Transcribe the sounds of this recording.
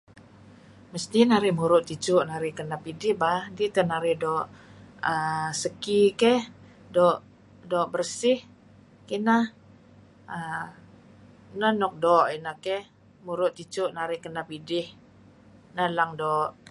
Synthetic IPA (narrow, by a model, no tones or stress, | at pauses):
məst̪inaɾɪhmuɾʊʔt̪it͡ʃʊʔnaɾɪhkənapidɪhbahdit̪ənaɾɪhdɔʔəsəkikɛh | dɔʔ | dɔʔbərsɪh | kinah | ə | nənɔk̚dɔʔinahkɛh | muɾʊʔt̪it͡ʃʊʔnaɾɪhkənapidɪh | nalaŋdɔʔ